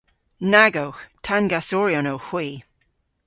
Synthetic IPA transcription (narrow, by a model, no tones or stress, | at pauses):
naɡowxtʰanɡasɔɹjonowxw̥iː